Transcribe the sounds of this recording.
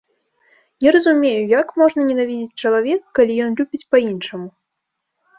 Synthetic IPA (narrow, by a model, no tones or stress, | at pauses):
nʲɛɾɐzumʲejujakmɔʐnɐnʲɛnavʲid͡zʲit͡sʲt͡ʂɐlˠavʲɛkːalʲijɔnlʲubʲit͡sʲpɐinʂɐmu